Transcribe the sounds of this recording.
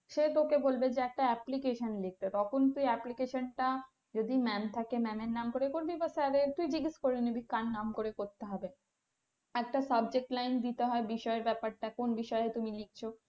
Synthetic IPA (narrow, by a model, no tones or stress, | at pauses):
ʃet̪okebolbed͡ʑeɛk̚ʈaɛplikeʃonlik̚ʈat̪ɔkʰont̪ujɛplikeʃonʈa | d͡ʑod̪imɛmt̪ʰakemɛmeɾnamkoɾekoɾbibaseabet̪uid͡ʑiɡiskoɾeinibikːanːamkoɾekoɾt̪eɦɔbe | ɛk̚ʈasab̚d͡ʑek̚ʈlajnd̪it̪eɦɔebiʃɔeɾbɛpaɾʈakonbiʃɔet̪umilik̚t͡ɕʰo